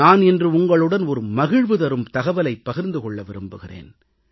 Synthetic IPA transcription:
aːnɛndrɯʊŋɡɐɭɯɽɐnɔɾɯmɐɣɪɻʋɯðɐɾɯmt̪ɐɣɐʋɐlɐɪpːɐɣɪɾnd̪ɯkɔɭːɐʋɪɾɯmbɯɣɪrḛːn

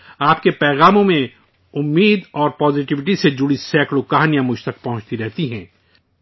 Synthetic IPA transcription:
aːpkepɛːɣaːmõmẽ | ʊmːiːd̪ɔːɾpɔːzɪʈɪʋɪʈised͡ʒʊɽisɛːkɽɭokaɦaːnijãmʊd͡ʒt̪ɐkpɐɦʊ̃t͡ʃt̪iɾɛɦt̪iɦɛ̃ː

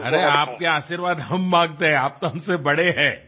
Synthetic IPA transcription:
ɐɾeaːp̚keaːʃiɾʋaːd̪ɦɐmːãːŋɡt̪eɦɛ̃aːp̚t̪oɦɐmsebɐɽeɦɛ̃ː

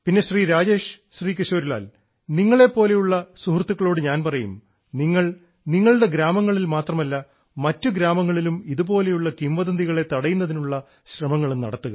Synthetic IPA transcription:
pinːe̞ɕriːɾaːd͡ʑe̞ːʂɕriːkiɕo̞ːɾila̰ːl | niŋːɐɭe̞pːo̞ːle̞juɭːɐsuhrt̪ːuɣːɐɭo̞ːɽɨɲaːnpɐrɐjṵm | niŋːɐɭ | niŋːɐɭɽe̞ɡɾaːmɐŋːɐɭilmaːt̪rɐmɐlːɐ | mɐtːuɡɾaːmɐŋːɐɭilumiðubo̞ːle̞juɭːɐkimʋɐðɐnd̪iɣɐɭe̞t̪ɐɽɐjunːɐðinuɭːɐ | ɕrɐmɐŋːɐɭenɐ̰ɽɐt̪ːuɣɐ̰

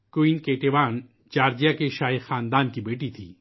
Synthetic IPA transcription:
koinkeːʈeːʋaːn | t͡ʃaːɾd͡ʒijakeʃaːixaːnd̪aːnkibeːʈit̪ʰḭː

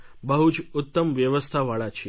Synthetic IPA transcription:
bəɦut͡ʃʊt̪ːəmʋjəʋəst̪ʰaʋaɭat͡ʃʰe

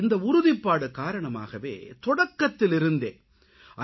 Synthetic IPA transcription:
ɪnd̪ɐʊɾʊðɪpːaːɽɯkaːɾɐɳɐma̰ːɣɐʋḛːt̪ɔɽɐkːɐt̪ːɪlɪɾɯnd̪ḛː | ʔɐ

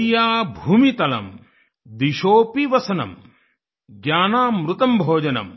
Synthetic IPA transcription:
jaːbʱuːmit̪ɐlɐ̰m | d̪iʃoːpiʋɐsɐnɐ̰m | ɡjaːnaːmɾut̪ɐmbʱoːd͡ʒɐnɐ̰m

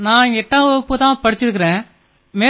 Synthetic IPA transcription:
nãːɛʈːãːɔpːɯt̪ãːpɐɽɪt͡ʃːɪɾɯkːɐɾẽː | meː

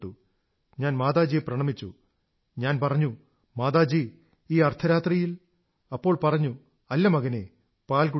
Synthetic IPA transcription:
ʈːu | ɲaːnmaːðaːd͡ʑijeprɐɳɐmit͡ɕːṵ | ɲaːnpɐrɐɲːu | maːðaːd͡ʑi | iːɐrt̪ʰɐɾaːt̪rijil | ɐpːo̞ːɭpɐrɐɲːu | ɐlːɐmɐɣɐne̞ | paːlk̬u

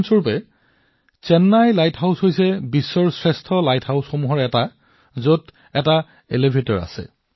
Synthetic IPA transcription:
nsoɹpɛ | t͡ʃɛnːajlajthaʊshojsɛbisːɔɹsɹɛstʰɔlajtʰhawsxomuɦɔɹɛta | zot | ɛta | ḛlebʱetɔɹa̰sɛ̰

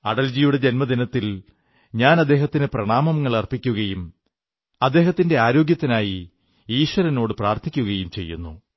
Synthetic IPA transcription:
ɐɽɐld͡ʑijuɽe̞d͡ʑenmɐd̪inɐt̪ːil | ɲaːnɐd̪ːe̞ːɦɐt̪ːinɨprɐɳaːmɐmŋːɐɭɐrpːikʲːuɣɐjum | ɐd̪ːe̞ːɦɐt̪ːinde̞aːɾo̞ːɡjɐt̪ːinaːji | iːɕwɐɾɐno̞ːɽɨpraːrt̪ʰikʲːuɣɐjumt͡ɕe̞̰jːunːṵ

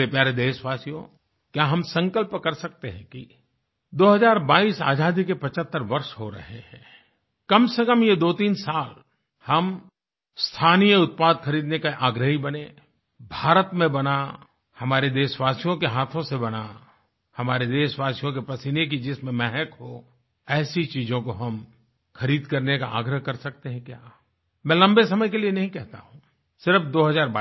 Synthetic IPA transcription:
epjaːɾed̪eːʃʋaːsijõ̰ | kjaːɦɐmsə̃ŋkəlpkɐɾsɐk̚t̪eɦɛ̃ki | d̪oːɦɐzaːɾbaːiːsa̰ːd͡ʒaːd̪ikepɐt͡ʃət̪ːəɾʋɐɾʃɦoɾɐ̰ɦeɦɛ̰̃ː | kɐmsekəmjed̪oːt̪iːnsaːl | hɐm | st̪ʰaːnijəʊt̪̚paːd̪xʰɐɾiːd̪nekaʔaːɡɾəɦibɐne | bʱaːɾət̪mẽbɐna | hɐmaːɾed̪eːʃwaːsjõkeɦaːt̪ʰõsebɐna | hɐmaːɾed̪eːʃʋaːsijõk̬epɐsɪnek̬id͡ʒɪsmẽmɛɦəkɦo | ɛːsit͡ʃiːd͡ʒõkoɦɐm | xɐɾiːd̪kɐɾnekaʔa̰ːɡɾəɦkɐɾsɐk̚t̪eɦɛ̃kjaː | mɛ̃ːlɐ̃mbesɐməjkelienɐɦĩkɛɦt̪a̰ɦũː | sɪɾəfd̪oːɦɐzaːɾba

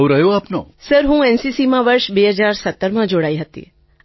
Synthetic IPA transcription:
ʋɾəjoaːpno̰ːsəɾɦũɛnsisimãʋəɾʃbeːɦəd͡ʒaːɾsət̪ːəɾmãd͡ʒoɽaːiɦət̪ḭ

